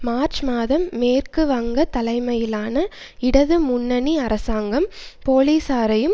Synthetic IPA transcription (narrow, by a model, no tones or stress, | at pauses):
maːɾt͡ʃmaːðɐmːeːrkɯʋɐŋɡɐt̪ɐlɐɪmɐjɪlaːnɐ | ɪɽɐðɯmʊnːɐniɐɾʔɐsaːŋɡɐmpoːliːsaːɾɐjɯm